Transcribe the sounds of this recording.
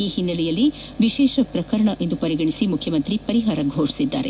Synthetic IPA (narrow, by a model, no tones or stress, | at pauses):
iːhinːɐlɛjɐlːi | ʋiʃɛːʃɐpɾɐkɐɾɐɳɐʔe̞nd̪upɐɾiɡɐɳisimukʰjɐmɐnt̪ɾipɐɾiɦaːɾɐɡʱoːʂi̥sid̪ːa̰ːɾe